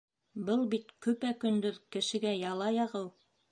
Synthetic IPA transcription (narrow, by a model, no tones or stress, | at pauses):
bɤlˠbit̪kɵ̆pækɵ̆nd̪ɵɾkɘ̆ʃɘ̆ɡæjɑlˠɑjɑʁɤw